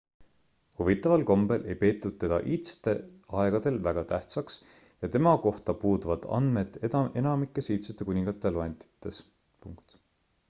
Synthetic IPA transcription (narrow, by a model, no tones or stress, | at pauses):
huvit̪ːˑɑvɑlko̞mbe̞lʔe̞jpe̞ːt̪ːud̪̥̚t̪e̞d̪̥ɑ̰ʔiːt̪se̥t̪e̞ɑeɡ̥ɑd̪̥e̞lvæɡ̥ɑt̪æht̪sɑks | jɑt̪e̞mɑko̞ht̪ɑpuːd̪uvɑd̪̥ɑ̰nd̪̥me̞d̪̥ee̞nɑmikːˑesiːt̪set̪ːˑekunʲiŋɡ̥ɑt̪ːˑeloent̪i̥t̪ːˑe̞s | pṵŋkt̪